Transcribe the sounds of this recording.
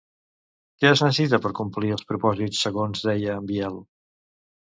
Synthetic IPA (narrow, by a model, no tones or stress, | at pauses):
kɛəznəs̬it̪əpəɾkumpliəlˠspɾupɔzisːəɣonzðɛjəːmbiɛlˠ